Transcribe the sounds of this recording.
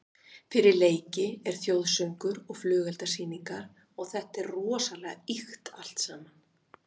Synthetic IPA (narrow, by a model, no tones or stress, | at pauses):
fɪɾɪɾleːjcɪɛɾ̥θjowðsœŋkʏɾɔɣflʏːɣɛlt̪asiːniŋkaɾ | ɔɣθɛht̪ɛrrɔːsalɛɣixt̪al̥t̪saːman